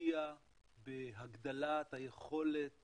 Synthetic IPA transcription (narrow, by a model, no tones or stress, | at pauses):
ia | beɦaɡd̪alat̪haje̞χo̞le̞t̚